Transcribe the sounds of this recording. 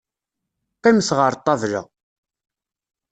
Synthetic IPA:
qæmθʁəɾt̪ˤːɑvlə̰

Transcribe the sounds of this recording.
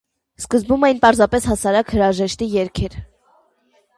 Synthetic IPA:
skəzbumɛjinpɑɾzɑpɛshɑsɑɾɑkhəɾɑʒɛʃt̪ijɛɾkʰɛɾ

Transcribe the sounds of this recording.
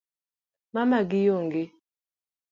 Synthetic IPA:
mamaɡijoŋɡɪ

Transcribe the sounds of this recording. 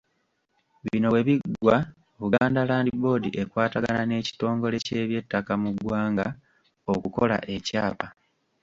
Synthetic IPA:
βino̞weβiɡwa | βuɡaːndalaːndibo̞ːdiʔe̞kwaːtaɡa̰nane̞ːci̥to̞ːŋɡo̞le̞ce̞ːβje̞tːakamuɡwaːŋɡa | okuko̞la̰ʔe̞caːpa

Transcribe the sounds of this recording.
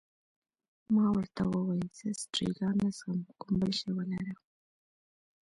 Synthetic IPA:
mɑwəɾt̪awəwajzəstɾḭɡɑnasəmkʊmbəlʃewəlaɾə

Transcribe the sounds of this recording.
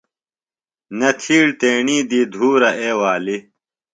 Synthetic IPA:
nɐt̪ʰiːɽt̪eːɳiːd̪iːd̪ʱuːɾɐʔeːwaːli

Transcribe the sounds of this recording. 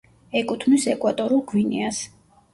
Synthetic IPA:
ɛkʼut̪ʰmisɛkʼwat̪ʼɔɾulˠɡwinḭas

